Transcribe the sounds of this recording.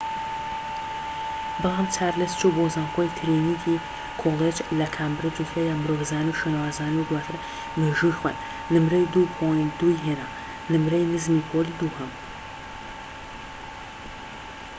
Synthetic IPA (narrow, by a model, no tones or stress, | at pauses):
bɨlˠaːmt͡ʃʰaːɾlɨst͡ʃubozaːnxojt̪ʰɨɾinikʰi | kʰolˠed͡ʒlɐkʰaːmbɾɨd͡ʒut̪ʰajaːmɾovzaːnuwʃwenwaːzaːnuwd̪waːt̪ʰɨɾ | meʒujxwa̰ːt̪ | nɨmɾɐjd̪upʰojnd̪ujɦena | nɨmɾɐjnɨzmiːpʰolid̪uːhɐm